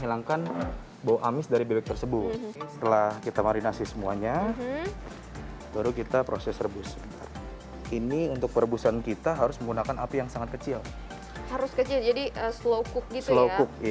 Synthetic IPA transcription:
ɦilaŋkan | bawaʔamɪsdaɾibebɛk̚t̪ərsəbʊt̪sə̥t̪əlahkit̪amaɾinasɪsəmuaɲa | baɾukit̪apɾosɛsrəbʊsbəna̰r | iniunt̪ʊk̚pəɾəbusankit̪aɦaɾʊsməŋɡunakanapajaŋsaŋat̪̚kət͡ʃil | haɾʊskət͡ʃɪld͡ʒadiʔəslokʊk̚ɡitslokʊk̚i

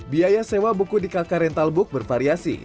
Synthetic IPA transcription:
biajasewabukudikakaɾɛnt̪albʊk̚bərfaɾiasḭ

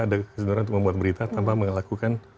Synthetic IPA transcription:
adakəsənuɾant̪ʊkməmbuat̪̚bəɾit̪at̪ampaməŋlakukan

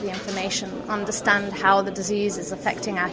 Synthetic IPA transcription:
ðiɪ̃ɱfəmeɪʃə̃n | ʌ̃ndə˞stæ̃nd̥̚haʊðɨdɨzizɨzəfɛk̚tɪ̃ŋaʊə

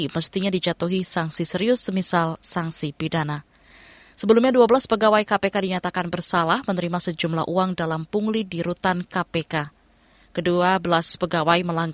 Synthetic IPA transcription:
məst̪iɲadid͡ʒat̪uɦisaŋsisəɾiʊsːəmisalsaŋsipidana | səbəlumɲaduabəlaspəɡawaikapekadiɲat̪akanbərsalahmənəɾimasəd͡ʒumla̰hʔuaŋdalampuŋlidiɾut̪ankapeka | kəduabəlaspəɡawajməlaŋɡ

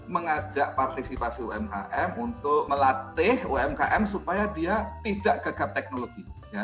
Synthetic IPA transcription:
məŋad͡ʒaʔ̚part̪isipasiuɛmka̰ʔɛmunt̪ʊk̚məlat̪ɪhuɛmka̰ʔɛmsupajadiat̪idaʔɡ̥aɡap̚t̪ɛk̚noloɡija

